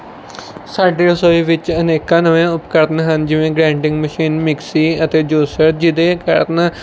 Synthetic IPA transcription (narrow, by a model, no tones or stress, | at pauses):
saːɖeːsoːiːʋɪt͡ʃəneːkãːnəʋẽʊpkəɾt̪nɦənd͡ʒɪʋẽːɡɾɛ̃ːɳʈɪ̃ŋɡməʃiːnmɪksiːət̪eːd͡ʒoːsəɾd͡ʒɪd̪eːkə̰ɾna